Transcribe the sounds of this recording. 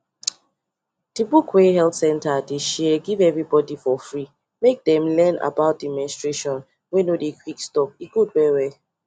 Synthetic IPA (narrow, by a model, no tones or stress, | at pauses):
d̥ibukwɛɦɛltsɛ̃ntadeʃɛɡivɛvɹibɔdifɔfɹi | mek̚dɛ̃mlɛna̰baʊt̚dimɛ̃nstɹeʃɔ̃n | wenodekʰwikstɔp̚iɡud̚wɛwɛ